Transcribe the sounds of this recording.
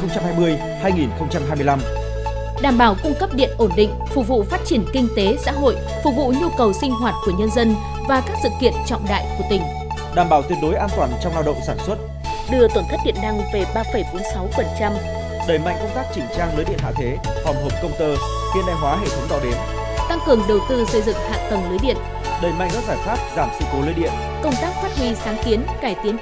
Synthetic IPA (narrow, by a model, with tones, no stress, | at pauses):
xə˧wŋ͡mt͡ɕa˧mhaː˧jmɨ˧əj | haː˧jŋi˨˩nxə˧wŋ͡mt͡ɕa˧mɦaː˧jmɨ˧ə˧jla˧m | ɗaː˧˩mɓaː˧˩wkʊ˧ŋ͡mkə˦˥p̚ɗḭ˧˨ənʔo˧˩nɗḭ̈˧˨ŋ̟fʊ˨˩k̚vṵ˧˨faː˦˥t̚t͡ɕi˧˩ənkï˧ŋ̟t̪e˨˦sa̰ː˧˥ɦo̰˧˨j | fʊ˨˩k̚vṵ˧˨ɲu˧kə˨˩wsï˧ŋ̟ɦwaː˨˩t̚ku˧˩əɲə˧nzə˧n | vaː˨˩kaː˦˥k̚sɨ̰˧˨kḭ˧˨ənt͡ɕɔ̰˧˨wŋ͡mɗa̰ː˧˨jku˧˩ət̪ï˧˩ŋ̟ | ɗaː˨˩mɓaː˧˩wt̪wi˧˩ənɗo˨˦jʔaː˧nt̪waː˧˩nt͡ɕɔ˧wŋ͡mlaː˧wɗə̰˧˨wŋ͡msaː˧˩nswə˦˥t̚ | ɗɨ˧˩ət̪wə˧˩nt̪ʰə˦˥k̚ɗḭ˧˨ənɗa˧ŋve˨˩ɓaː˧fə˨˩jɓo˨˦nsa˨˦wfə˨˩nt͡ɕa˧m | ɗəː˨˩jma̰˧˨jŋ̟kə˧ŋ͡mt̪aː˦˥k̚t͡ɕï˧˩ŋ̟t͡ɕaː˧ŋləː˨˦jɗi˧ənha̰ː˧˨t̪ʰe˨˦fɔ˨˧˩mɦo˨˩p̚kə˧wŋ͡mt̪əː˧ | xi˧ənɗa̰˧˨jɦwaː˨˦ɦḛ˧˨t̪ʰə˨˦ŋ͡mɗa̰˧˨wɗe˨˩n | t̪a˧ŋkɨ˨˩əŋɗə˨˩wt̪ɨ˧sə˧jzɨ̰˧˨ŋha̰ː˧˨t̪ə˨˩nləː˨˦jɗḭ˧˨ən | ɗəː˨˩jma̰˧˨jŋkɔ̰˨˦zaː˧˩jfaː˦˥t̚zaː˧˩msɨ̰˧ko˨˦ləː˨˧˦jɗḭ˧˨ən | kə˧wŋ͡mt̪aː˦˥k̚faː˦˥t̚ɦwi˧saː˨˦ŋki˨˦ənkaː˧˩jt̪i˨˦ən